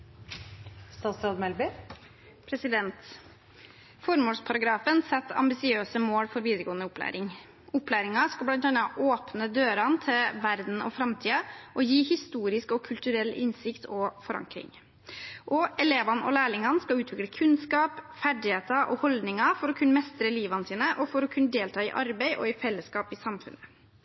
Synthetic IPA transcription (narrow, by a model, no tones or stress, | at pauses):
st̪ɑːt̪sɾɑːd̪mɛlbɪ | pʰɾɛsɪd̪ɛnt̪ | fɔɾmoːspʰɑɾɑɡɾɑːfənsɛt̪ːɑ̰mbɪsɪøːsəmoːɽfɔɾʋiːd̪ɾəɡoːənəʊplæ̰ːɾɪŋ | ʊplæːɾɪŋɑskɑlbɽɑnt̪ɑnɑʔoːpnəd̪øːɾɑnt̪ʰɪlʋæɾd̪n̩ɔ̰fɾɑmt̪ʰiːɑʔɔjiːhɪst̪uːɾɪskɔkʰʉlt̪ʉɾɛlːʔɪ̰nsɪkt̪ʰɔfɔɾɑ̰ŋkɾɪ̰ŋ | ʔɔɛleːʋɑnɔ̰læːɭɪŋɑnskɑlʉːt̪ʰʋɪkɽəkʰʉnskɑːpfæɖɪheːt̪ɑʔɔ̰hɔld̪nɪŋɑfɔɾɔkʰʉnːəmɛst̪ɾəliːʋɑnəsiːnəʔɔfɔɾɔkʰʉnːəd̪eːlt̪ʰɑːɪʔɑɾbɛɪʔɔ̰ɪfɛlːəskɑːpɪsɑmfʉ̰nə